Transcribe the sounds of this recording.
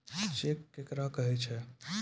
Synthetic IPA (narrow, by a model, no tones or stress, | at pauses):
t͡ʃekːekɾakəɦɛt͡ʃʰɛ